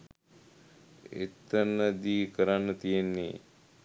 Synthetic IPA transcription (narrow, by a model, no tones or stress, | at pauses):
ḛt̪ənəd̪iːkəɾanːət̪ijenːḛ